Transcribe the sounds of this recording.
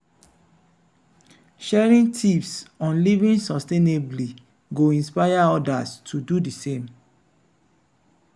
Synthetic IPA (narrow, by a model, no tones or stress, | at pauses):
ʃɛɹĩntʰifsɔ̃nlivĩnsɔstenebli | ɡoĩnspajaɔdastʰududisẽm